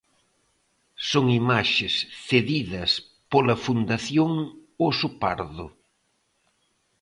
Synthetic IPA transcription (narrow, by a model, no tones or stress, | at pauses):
soŋimaʃɪsθeðiðɐs | polɐfund̪aθjoŋosupaɾðʊ